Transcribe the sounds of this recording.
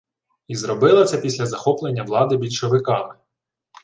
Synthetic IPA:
izrɔbɪlˠɐt͡sʲɛpʲisʲlʲɐzɐxɔplˠenʲːɐʋlˠɑd̪ɪbʲidʲʃɔʋɪkɑmɪ

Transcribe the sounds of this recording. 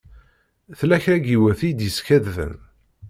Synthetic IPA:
θlæçɾæɡiwæθijd̪jəskæððə̰n

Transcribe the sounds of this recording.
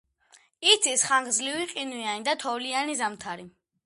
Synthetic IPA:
it̪sʰisχaŋɡzliviqʼinujanid̪at̪ʰɔvlianizamt̪ʰaɾi

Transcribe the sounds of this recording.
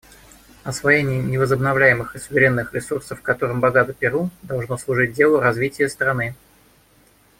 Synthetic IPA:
ɐsvɐjenʲɪjənʲɪvəzəbnɐvlʲæjɪmɨxɨsʊvʲɪɾʲe̞nːɨxɾʲɪsursəfkɐt̪o̞ɾɨmbɐɡat̪əpʲɪɾud̪ɐlˠʐnoslˠʊʐɨt̚ʲdʲe̞lˠʊɾɐzvʲitʲɪjəst̪ɾɐnɨ

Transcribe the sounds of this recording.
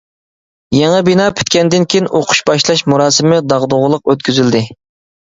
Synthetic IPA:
jeŋɨbinɑːpʰy̥t̪kʲɛnd̪ɪnkʲʰijinʔoqʰʊ̥ʃbɑʃlˠɑʃmuɾɑːsɪmɪd̪ɑʁd̪oʁʊlˠəq̚øt̪̚kʲʰyzyld̪ɪ

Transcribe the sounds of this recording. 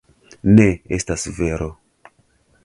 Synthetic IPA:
ne̞estasve̞ɾo̞

